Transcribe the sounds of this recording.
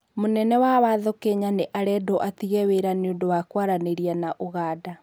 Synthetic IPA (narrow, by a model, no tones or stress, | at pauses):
monɛnɛwawaðokeɲaneʔaɾɛdoʔatiɣɛweɾaneondowakwaɾaneɾianaʔoɣaːda